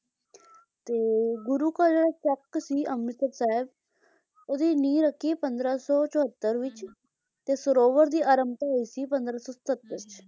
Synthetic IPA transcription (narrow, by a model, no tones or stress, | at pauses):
t̪eɡuɾukad͡ʒat͡ʃɐkːsiɐmit̪ətsaɦeb | od̪iniːɾəkʰːipɐnd̪ɾasɔt͡ʃɔɦət̪ːəɾʋit͡ʃ | t̪esəɾoːʋəɾd̪iːʔaɾəmt̪aɦojsipɐ̃nd̪ɾasɔsə̥t̪ət̪ːəst͡ʃ